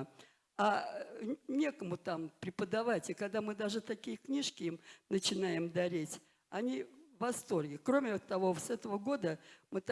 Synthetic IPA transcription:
a | nʲe̞kəmʊt̪ampɾʲɪpəd̪ɐvatʲɪkɐɡd̪amɨd̪aʐɨt̪ɐkʲijəknʲiʂkʲɪimnət͡ɕɪnajɪmd̪ɐɾʲetʲ | ɐnʲivɐst̪o̞rɡʲɪkɾo̞mʲɪt̪ɐvo̞sɛt̪əvəɡo̞d̪əmɨt̪

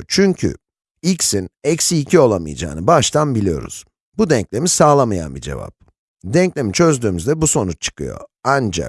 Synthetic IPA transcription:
t͡ʃʰyɲcʰy̰ | icsinɛcsiːcʰio̞lˠamɯ̰jad͡ʒa̰ːnɯbaʃt̪ʰanbilʲijoɾṵz̥ | bud̪ɛɲclʲe̞misaːlˠamaja̰nbid͡ʒe̞̰va̰p̚ | d̪ɛɲclʲe̞mit͡ʃʰø̞zd̪yːmyzd̪ɛbuso̞nut͡ʃt͡ʃʰɯ̥kʰɯ̰jo̞̰and͡ʒa̰k

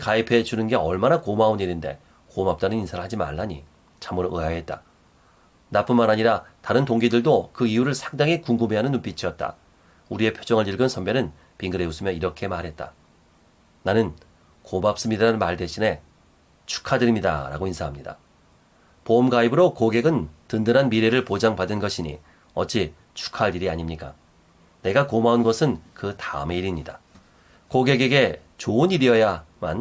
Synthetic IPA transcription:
kaipʰe̞t͡ɕunɯnɡe̞ʌɭmanakomauniɾinde̞̰ | komap̚t͈anɯninsʰaɾɯɭhad͡ʑima̰ɭːaɲḭ | t͡ɕʰamɯɾoɯaɦe̞t̚t͈a | nap͈ɯnmanɦaɲiɾataɾɯntoŋɡidɯɭdokɯijuɾɯɭsʰḁŋdaŋikuŋɡumeɦanɯnːunp͈it͡ɕʰiʌt̚t͈a̰ | uɾie̞pʰjod͡ʑʌŋɯɭiɭɡʌnsʰʌmbjʌnɯn | piŋɡɯɾe̞us͈ɯmjʌniɾʌkʰe̞maɾɦe̞t̚t͈a̰ | nanɯn | komap̚s͈ɯmɲidaɾanɯnmaɭte̞ɕʰine̞ | t͡ɕʰu̥kʰadɯɾimɲida̰ɾa̰ɡoinsʰaɦamɲida̰ | pomɡaibɯɾokoɡe̞ɡɯntɯndɯɾanmiɾe̞ɾɯɭpod͡ʑaŋpadɯnɡʌɕʰiɲḭ | ʌt͡ɕ͈ʰi | t͡ɕʰu̥kʰaɾiɾiaɲimɲik͈a | ne̞ɡakomaunɡʌsʰɯnkɯtaɯme̞iɾimɲida | koɡe̞ɡe̞ɡe̞ | t͡ɕoɯniɾiʌjama̰n

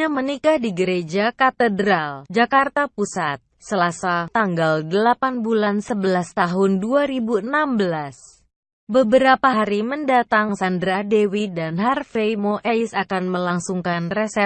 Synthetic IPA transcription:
amənikahdiɡəɾed͡ʒakat̪ədɾald͡ʒakart̪apusat̪̚səlasat̪aŋɡaldəlapanbulansəbəlast̪aɦʊnduaɾibunambəlas | bəbəɾapaɦaɾiməndat̪aŋsandɾadewidanɦarfejmoʔɛɪsakanməlaŋsuŋkanrɛsɛ

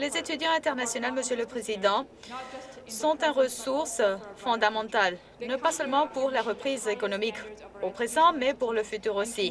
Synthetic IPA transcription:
lezet̪yd̪jɑ̃ɛ̃t̪ɛʁnasjɔnalməsjøləpχezid̪ɑ̃ | sɔ̃t̪ɛ̃ʁəsuʁsfɔ̃d̪amɑ̃t̪al | nɔ̃pasœlmɑ̃puʁlaʁəpχizekɔnɔmikopχezɑ̃mɛpuʁləfyt̪yʁosi

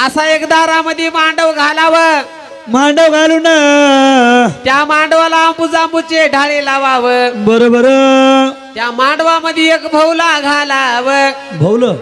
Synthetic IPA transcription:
əsaekd̪aɾaməd̪ʱjemaɳɖəʋɡʱalaʋə | maɳɖəʋɡʱaluːna | t̪jamaɳɖʋalaəmbud͡zambut͡ɕeɖʱaɭelaʋaʋəbəɾobəɾə | t̪jamaɳɖʋaməd̪ʱjeekbʱəwlaɡʱalaʋə | bʱəwlə

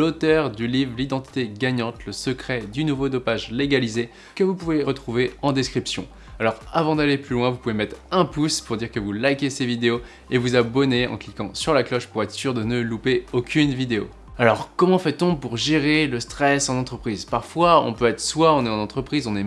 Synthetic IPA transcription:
lot̪œʁd̪ylivʁlid̪ɑ̃t̪i̥t̪eɡaɲɑ̃t̪ləsəkχɛd̪ynuvod̪ɔpaʒleɡalize | kəvupuveʁət̪χuveɑ̃d̪eskχipsjɔ̃ | alɔʁavɑ̃d̪aleplylwɛ̃vupuvemɛt̪χɛ̃puspuʁd̪iʁkəvulajkʲesevid̪eo | evuzabɔneɑ̰̃klikɑ̃syʁlaklɔʃpuʁɛt̪χəsyʁd̪ənəlupeokʲʰynvid̪eo̰ | alɔʁkɔmɑ̃fɛt̪ɔ̃puʁʒeʁeləst̪χɛsɑ̃nɑ̃t̪χəpχizpaʁfwaɔ̰̃pøɛt̪χəswaɔ̃nɛɑ̃nɑ̃t̪χəpχizɔ̃nɛ

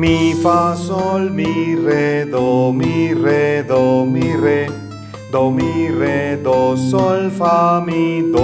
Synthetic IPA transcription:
mifasɔlmiɾed̪omiɾed̪omiɾe | d̪omiɾed̪osɔlfamid̪

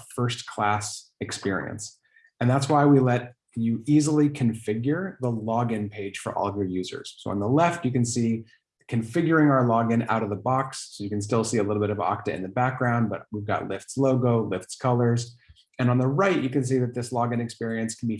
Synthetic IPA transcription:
fɜ˞skʰl̥æs | ɨkspɪɹḭɨ̰̃ns | ɨ̃nðætswaɪwilɛt̚kʰnjɨizl̩ˠikʰɨ̃ɱfɪɡjə˞ðəlɔɡɨ̃npʰeɪd̥ʒ̥fə˞ʔɔ̰lˠʌvjə˞jʉzə̰˞z̥soʊə̃nðəlɛftɨkɨ̃nsi | kʰɨ̃ɱfɪɡjə˞ɪ̃ŋaʊə˞lɔɡɨ̃na̰ʊɾʌvðəbɑksːoʊjɨkɨ̃ns̬tɪlˠsiɨlɪɾl̩ˠbɪɾʌvɑ̰k̚tɨ̰ɨ̰̃nðɨbæk̚ɡ̥ɹãʊ̃n̚bʌ̰t̚wivɡɑ̰ʔˡlɪftsloʊɡoʊlɪftskʰʌlˠə˞z | ɨ̃nə̃nðəɹaɪʔʔɨkɨ̃ns̬iðɨt̪̚ðɪslɑɡɨ̃nɨkspɪɹiɨ̃nskʰn̩bi

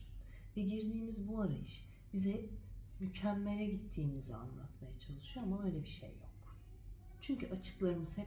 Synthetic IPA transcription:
vɛɟiɾd̪iːmizbuaɾa̰jɯʃ | b̥izɛmycʰæmːe̞lʲɛɟit̪ʰːiːmizia̰nlˠa̰t̪majat͡ʃʰalˠɯʃujoamabø̞jlʲebiʃḛjːo̞̰k | t͡ʃʰyɲcʰyʔat͡ʃʰɯ̥klˠaɾɯmɯzhɛ

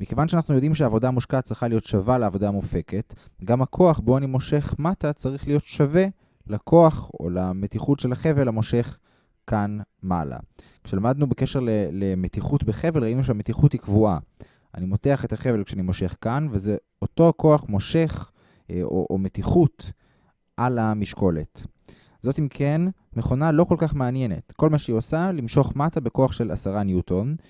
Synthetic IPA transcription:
mike̞vanʃeanaχnujo̞d̪imʃeaːvo̞damuʃkat̚t͡sʁiχalijo̞tʃavaleaːvo̞daːmufe̞ke̞tɡamhakʰo̞aχbo̞animo̞ʃe̞χmatat͡saʁiχlijo̞tʃave̞ | lakʰo̞aχo̰lamet̪iχutʃelaχe̞velamo̞ʃe̞χ | kanma̰la̰kʃelamad̪nubeke̞ʃe̞ʁlelemetiχutbeχe̞velʁaimnuʃ̬eametiχutikvua | ʔa̰nimo̞teaχe̞taχe̞velkʃeanimo̞ʃe̞χkanveze | oto̞ko̞aχmo̞ʃe̞χ | o̰ʔo̰metiχut | ʔalamiʃko̞le̞t | zo̞timkʰenmeχo̞nalo̞ko̞lkaχmeanje̞ne̞̰tko̞lmaʃeiosalimʃo̞χmatabe̞ko̞aχʃe̞la̰saʁanjuton

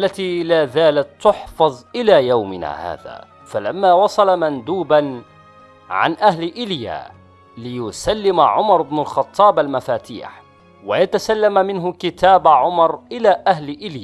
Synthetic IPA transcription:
ʔalːat̪iːlaːðaːlakt̪ːʊħfɑðˤʔɪlaːjawmɪna̰ːha̰ːða̰ː | falamːaːwɑsˤɑlamand̪uːban | ʕa̰nʔaɦlʔɪlja̰ː | lɪjʊsalːɪmʕʊmɑɾˤɪbnʊlxɑt̪ˤːɑːbalmafaːt̪ḭːħ | wajat̪asalːammɪnɦʊkɪt̪aːbʕʊmɑɾˤʔɪlaːʔahlʔɪlja

